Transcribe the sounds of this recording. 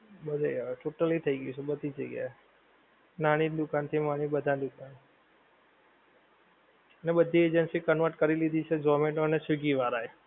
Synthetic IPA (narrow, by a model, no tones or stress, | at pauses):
bəd̪ʱajʈoʈəlit̪ʰəiɡəit͡ʃʰebəd̪ʱid͡ʒəiɡja̰ | naɽ̃id̪ukant̪ʰimaɽ̃ibəd̪ʱand̪ukan | ənebəd̪ʱːied͡ʒənsikənʋəɾʈkəɾilid̪it͡ʃʰed͡ʒɔmẽʈoənesiɡiʋaɾae